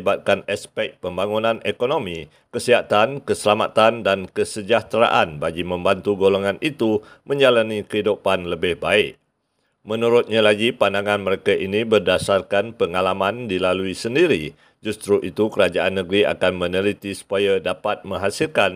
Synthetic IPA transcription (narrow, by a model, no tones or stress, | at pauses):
bat̪̚kanaspɛk̚pəmbaŋunãnekonomĩ | kəsiɦat̪ankəsəlamat̪andankəsəd͡ʒaht̪əɾa̰ʔanbaɡimə̃mbant̪uɡoloŋanʔit̪umə̃ɲd͡ʒalanikəidupanləbɪhbaɪʔ | mənuɾʊt̪̚ɲalaɡipandaŋãnməɾekaʔinibərdasarkanpəŋalamãndilaluisəndiɾi | d͡ʒust̪ɾuʔit̪ukəɾad͡ʒaʔanːə̃ɡɾia̰kanmə̃nəlit̪isu̥pajadapat̪̚mə̃ŋɦasilkan